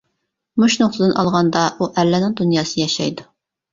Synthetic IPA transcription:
muʃnoχt̪ɨd̪ɨnʔɑlˠʁɑnd̪ɑʔuʔɛlːɛnɪŋd̪unjɑːsɨɨjɛʃɑ̰jd̪u

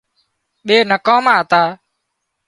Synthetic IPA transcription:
ɓeːnəkãːmãːɦət̪aː

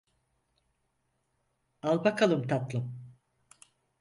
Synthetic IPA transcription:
alˠbakʰalˠɯmt̪ʰat̪lˠɯm

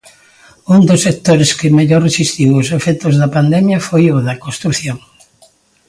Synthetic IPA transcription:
ũnd̪osːek̚t̪oɾeskɪmeʎorresist̪iwosefɛt̪ozðɐpand̪ɛmjɐfojʊðɐkõst̪ɾuθjoŋ

